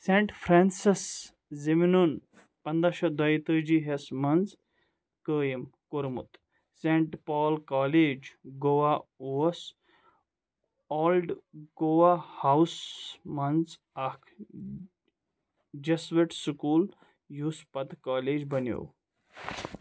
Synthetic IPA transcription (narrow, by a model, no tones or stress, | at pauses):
sẽːɳʈfʰɾaːnsis | ziminun | pɐnd̪aʃɐd̪ɐjt̪əːd͡ʒiɦesmɐnz | kəːjimkoɾmṵt̪ | sẽɳʈpaːlkaːleːd͡ʒɡoʋauɐs | ɔːlɖɡoʋahawsmɐnz | ɐkʰ | d͡ʒɐsʋeʈskuːl | juːspɐd̪kaːleːd͡ʒbɐnjo̰ːw